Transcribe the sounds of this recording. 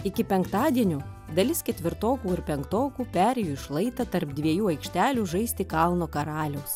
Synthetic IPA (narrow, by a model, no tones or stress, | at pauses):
ɪkʲɪpʲɛŋkt̪ɑːd̪ʲiɛnʲʊ | d̪ɐlʲɪskʲɛt̪ʲʋʲɪɾt̪oːkuːɪɾpʲɛŋkt̪oːkuːpʲæːɾʲɛjuːɪʃlˠɐɪt̪ɐt̪ɐɾpd̪ʲʋʲiɛjuːɐɪkʃʲt̪ʲæːlʲuːʒɐɪsʲt̪ʲɪkɑlˠnoːkɐɾɑːlʲɛʊs